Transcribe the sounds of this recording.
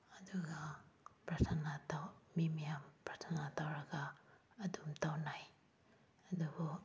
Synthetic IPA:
ɐduɡapɾatʰanatawmimijampɾatʰanatawɾaɡaː | dumtawnaj | ɐdubɔ

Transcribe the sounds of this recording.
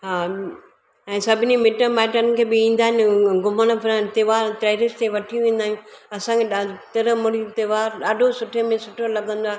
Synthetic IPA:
ɦaː | ɛ̃ːsɐbʱɪnimɪʈəmaːɪʈənkʰeːbɪĩːn̆d̪aːɦɪnɪɡʊməɽ̃pʰɪɾt̪eːʋaːɾt̪ɾeːɾɪst̪eʋɐʈʰijũʋẽːn̆d̪aːɪjũ | ɐsãkʰeɗat̪ɐɾəmʊɽijũt̪eʋaːɾɗaːɖʱosʊʈʰemẽsʊʈʰolɐɡə̃nd̪oaːɦ

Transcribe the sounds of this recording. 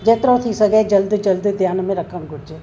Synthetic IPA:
d͡ʒet̪ɾõt̪ʰisɐɡɛːd͡ʒɐld̪d͡ʒɐld̪d̪ʱjaːnmẽɾɐkʰəmɡʊɽd͡ʒeː

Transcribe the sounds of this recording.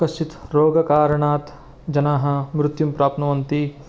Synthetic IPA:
ɐst͡ʃʰit̪ɾoːɡɐkaːɾɐɳaːt̪ | d͡ʒɐnaːɦɐ̆mɾʊt̪jumpɾaːp̚t̪nɐʋɐnt̪i

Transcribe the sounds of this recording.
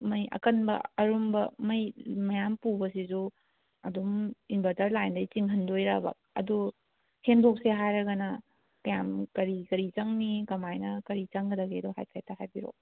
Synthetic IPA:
mɐjʔɐ̰kɐnbɐ̰ɐɾumbɐ̰mɐjmɐjampubɐsizu | ɐduminbatɐɾlajndɐjt͡ʃiŋɦɐndojɾabɐ̰k̚ɐ̰du | hemdok̚seɦajɾɐɡɐnɐ | kɐjamkɐɾikɐɾit͡ʃɐŋnikɐmajnɐkɐɾit͡ʃɐŋɡɐdɐɡiɐduɦa̰jpʰajtʰaɦajbiɾo̰

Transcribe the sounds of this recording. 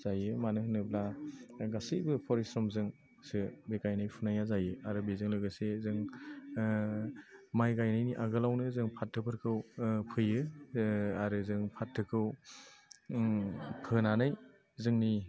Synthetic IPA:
z̥ajɯmanɯɦɯnɯblaɡasɯjbɯpʰɔɾisɾɔmzɯŋ | sɯbekajnajpʰunajazajɯaɾɯbezɯŋlɯɡɯsezɯŋ | majɡajnajniʔaɡɯlawnɯzɯŋpʰat̚ʰːɯpʰɯɾkʰɯwpʰɯjɯ | aɾɯzɯŋpʰatʰːɯkʰɯw | pʰɯnanɯj | zɯŋni

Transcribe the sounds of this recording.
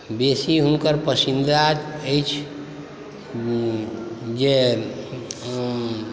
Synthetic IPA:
besiɦunkəɾpəsind̪at̪əjt͡ʃʰ | d͡ʒe

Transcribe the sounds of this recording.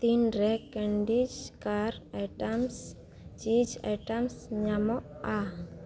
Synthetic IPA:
t̪inɾɛkɛɳɖid͡ʒkaɾɛʈams | d͡ʒid͡ʒɛ̰ʈamsɲamɔa

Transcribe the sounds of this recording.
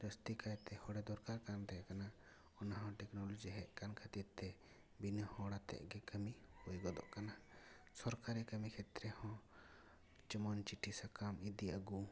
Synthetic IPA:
ɾəst̪ikaɛt̪ɛhɔɽɛd̪ɔɾkaɾkant̪ɛɛkana | ɔnaɦɔ̃ʈɛknɔlɔd͡ʒiɦɛʔkankʰət̪it̪ːɛ | binəhɔɽat̪ɛ̰ʔɡɛkəmihujɡɔd̪ɔ̰ʔkana | sɔɾkaɾɛkəmikʰɛt̪ɾɛhɔ̃ | t͡ʃəmɔnt͡ʃiʈʰisakamid̪iəɡu

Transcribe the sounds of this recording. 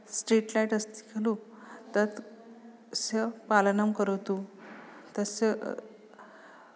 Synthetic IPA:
sʈɾiʈlaiʈəst̪i̥kʰelu | t̪ət̪ | səpalənamkəɾət̪u | t̪əse

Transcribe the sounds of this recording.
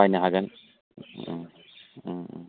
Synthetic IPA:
ajnaɦaɡan

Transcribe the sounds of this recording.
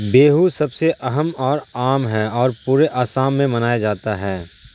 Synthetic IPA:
beːɦusɐbseʔɐɦəmɔːɾaːmɦɛɔːɾpuːɾeʔaːsaːmːẽmɐnaːjad͡ʒaːt̪aɦɛː

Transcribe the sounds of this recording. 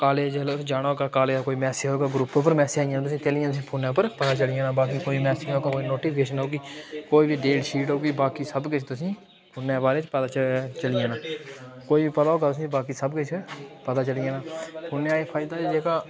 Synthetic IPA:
kaːleːd͡ʒəlʊsd͡ʒaːɽaːoːɡaːkaːleːaːkoːiːmɛːseɦoːɡaːɡɾʊpːpəɾmɛːseaːijaːnaːt̪ʊsĩːt̪eːlɪjãːt̪ʊs̬ĩːpʰuːnãːpəɾpət̪aːt͡ʃəlɪjãːnaːbaːk̬iːkoːimɛːsɪːoːɡaːkoːiːnoːʈiːpʰkeːʃənoːɡiːkoːiːbiːɖeːlʃiːʈɦoːɡiːbaːkiːsəbkɪt͡ʃʰt̪ʊsĩː | pʰʊːnãːbaːɾeːt͡ʃpət̪aːt͡ʃt͡ʃəlɪjãːnãːkoːiːbiːpət̪aːɦoːɡaːt̪ʊsĩːbaːkiːsəbkʊt͡ʃʰpət̪aːt͡ʃəlijãːnãːpʰuːnãːeːpʰaːɪd̪aːd͡ʒeːkaː

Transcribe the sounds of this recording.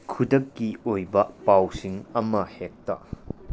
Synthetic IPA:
kʰudɐkːiojbɐpawsiŋɐmɐhek̚tɐ̰

